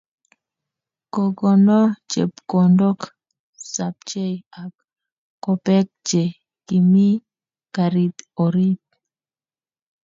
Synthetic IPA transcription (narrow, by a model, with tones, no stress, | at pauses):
ko˨ɡɔ˨nɔ˦t͡ʃḛ˨pko˨ndo˦k | sa˨p̚t͡ʃe˦ja˨kː | o˨pɛ˦k̚t͡ʃe˨ | ki˨mi˦ | ka˨ɾi˨t̪o˨ɾi˦t̪̚